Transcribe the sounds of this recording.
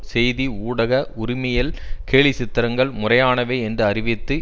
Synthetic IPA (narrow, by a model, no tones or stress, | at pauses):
sɛjðiuːɽɐɣɐʊɾɪmɐjɪlkeːɭɪsɪt̪ːɪɾɐŋɡɐɭmʊrɐjaːnɐʋeːɛndrɯɐrɪʋɪt̪ːɯ